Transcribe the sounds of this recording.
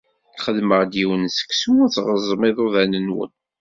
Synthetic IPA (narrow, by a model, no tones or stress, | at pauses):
χəðməʁd̪jiwənsə̥ksut͡sːʁəzˤəmɪðˤoðænənwə̰n